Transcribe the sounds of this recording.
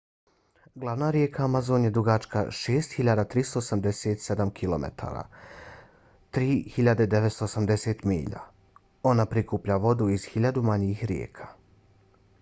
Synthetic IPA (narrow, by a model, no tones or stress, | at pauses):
ɡlˠaʋnaɾje̞kʰaːmazo̞ːnjed̪ɾuɡat͡ʃka̰ʃeːst̪hiʎad̪at̪ɾist̪oosamd̪e̞set̪se̞d̪amkʰilˠo̞̰mḛt̪ʰa̰ːɾa̰ː | t̪ɾiːhiʎad̪ed̪e̞ʋet̪st̪oːsamd̪e̞se̞t̪mḭːʎa̰ | o̞napɾikuːpʎaʋo̞d̪uiz̥hiʎad̪umaɲixɾjḛːkʰḁ